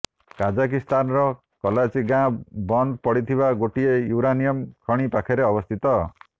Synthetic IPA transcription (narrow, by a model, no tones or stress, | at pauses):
kad͡ʒak̬ist̪anɔɾɔ | kɔlat͡ʃiɡãbɔnd̪pɔɽit̪ʰibaɡoʈiejuɾanijɔmkʰɔɽ̃ipakʰeɾeɔbɔst̪ʰit̪ɔ